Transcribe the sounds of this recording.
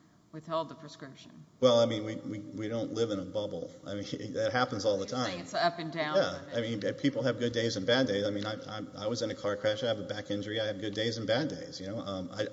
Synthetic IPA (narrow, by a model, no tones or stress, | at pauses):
wɨð̥hɛlˠd̪̚ðəpʰɹ̥ɨskɹ̥ɪpʃɨ̃nwɛlˠaɪmĩnwiwiwiɾõʊ̃nʔlɪvə̃ñəbʌbl̩ˠa̰ɪmĩɨt̚ɦæpn̩zɔlˠðətʰãɪ̃mʌpɨ̃ndãʊ̃jæaɪmĩnɨpʰipl̩ˠɨvɡʊdeɪzɨ̃nbædeɪzaɪmĩnaɪa̰ɪa̰ɪwʌzɨ̃nɨkʰɑɹkʰɹ̥æʃaɪɨvəbækɪ̃nd͡ʒə˞iaɪɨvɡʊdeɪz̃n̩bædeɪz̥jɨnoʊʔʌ̃ma̰ɪ